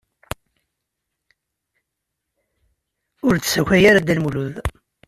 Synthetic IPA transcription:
ʊɾt͡sːsæçæjaɾad̪ælmuluð

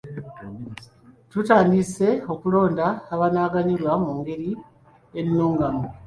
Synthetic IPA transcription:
tutaːndise̞o̞kulo̞ːndaːβanaːɡaɲilwamuːŋɡe̞ɾi | enːuːŋɡamu

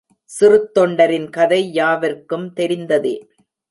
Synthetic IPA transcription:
sɪrɯt̪ːɔɳɖɐɾɪnkɐðɐɪjaːʋɐɾkɯmt̪ɛɾɪnd̪ɐðḛː

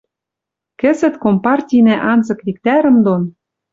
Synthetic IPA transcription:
kɘ̆zɘ̆t̪kompɑrtʲijnæʔɑnzɤ̆kβʲik̚t̪æɾə̆md̪on

